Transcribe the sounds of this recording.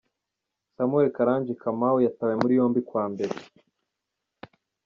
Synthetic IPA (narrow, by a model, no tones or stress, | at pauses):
samuekaɾaːɲd͡ʒikʰamawujatawemuɾijo̞ːmbikwaːmbe̞ɾe